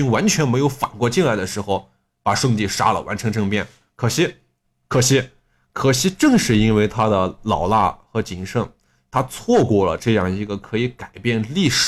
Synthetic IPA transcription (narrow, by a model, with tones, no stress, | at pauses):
y˥ŋwa˧˥nt͡ɕʰɥɛ˧˥nme˧˥ɪjo˧˥ʊfa˨˩nkwɔ˥˧t͡ɕi˥˧nla˧˥ɪd̪ə˨˧ʂɻ̩˧˥xo˧ʊ | pa˨˩ʂɤ˥˧ŋt̪i˥˩ʂa̰˥lə̰˨wa˧˥nʈ͡ʂʰɤ˧˥ŋʈ͡ʂɤ˥˧ŋpjɛ˥˩n | kʰɤ˨˩ɕi˥ | kʰɤ˨˩ɕi˥ | kʰɤ˨˩ɕi˧˥ʈ͡ʂɤ˥˧ŋʂɻ̩˥˩i˥nwe˥˧ɪt̪ʰa˥d̪ə˨lɑ˨˩ʊla̰˥˩xɤ˧˥t͡ɕi˧˥˩ŋʂɤ˥˩ŋ | t̪ʰa˥t͡sʰwɔ˥˧kwɔ˥˩lə̰˩ʈ͡ʂɤ˥˧jɑ˥˩ŋi˧˥ɡə˧kʰɤ˧˥i˧˥ka˨˩ɪpjɛ˥˧nli˥˩ʂ